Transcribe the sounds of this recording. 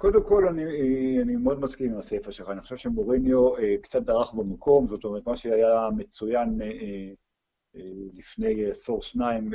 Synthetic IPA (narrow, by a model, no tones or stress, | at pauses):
kod̪emko̞lanianimeo̞d̪maskimimasefaʃelχaːniχoʃevʃemoʁinjoekt͡sat̪̚d̪aʁaχbemakʰo̞mzot̪omeʁtmaʃeajamet͡sujan | lifne̞jasoʁʃnaim